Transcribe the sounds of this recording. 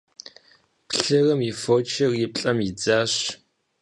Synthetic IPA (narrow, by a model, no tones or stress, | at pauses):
pɬɨrɐmifoːt͡ʃʰɐrjɪp̚ɬʼɐmid͡zaːɕ